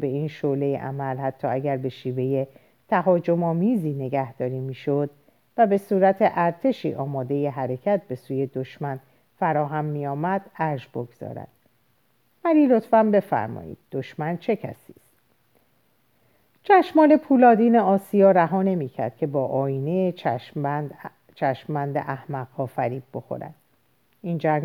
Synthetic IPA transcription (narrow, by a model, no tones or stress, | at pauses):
be̞iːnʃole̞jḛʔæ̰mælhæt̪ʰːɒːæɟæɾbe̞ʃiːve̞je̞ | t̪ʰæɦɒːd͡ʒo̞mɒːmiːziːne̞ɡæhd̪̥ɒːɾiːmiːʃod̪̥ | væbe̞suːɾæt̪ʰe̞ʔæɾt̪ʰe̞ʃḭːʔɒːmɒːd̪e̞je̞ɦæɾe̞cʰæt̪̚be̞suːje̞d̪oʃmæn | fæɾɒːɦæmːiːɒːmæd̪̥æɾʒboɡz̥ɒ̰ːɾæ̰d̪̥̚ | mæliːlo̞t̪fæmbe̞fæ̰ɾmɒ̰ːjḭːd̪̥̚ːoʃmænt͡ʃʰe̞cʰæ̰si̥ːst̪ | t͡ʃʰæʃmɒːle̞pʰuːlɒːd̪iːne̞ɒːsijɒːɾæɦɒːne̞miːcʰæ̰ɾd̪̥̚kʰe̞bɒːʔɒːiːne | t͡ʃʰæʃmːænd̪ḛʔæhmæɣɒːfæɾiːb̚bo̞xo̰ɾæ̰d̪̥̚ | ind͡ʒæ